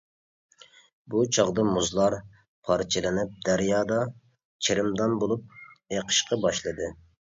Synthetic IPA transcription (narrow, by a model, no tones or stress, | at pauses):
but͡ʃʰɑʁd̪ɑmuzlˠɑɾ | pʰɑɾt͡ʃʰɪlˠɪnɪp̚d̪æɾjɑːd̪ɑ | t͡ʃʰɪɾɪmd̪ɑnbolˠup̚eqʰə̥ʃqɑbɑʃlˠɨd̪ɨ